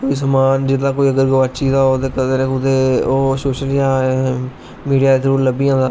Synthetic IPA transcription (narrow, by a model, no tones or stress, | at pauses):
koːiːsəmaːnd͡ʒɪt̪aːkoːiːəɡəɾɡəʋaːt͡ʃiːzaːoːt̪eːkəd̪eːnẽːkʊt̪eːoːsoːʃəljãː | miːɖijaːd̪eːsəɾuːɾləbiːãːd̪aː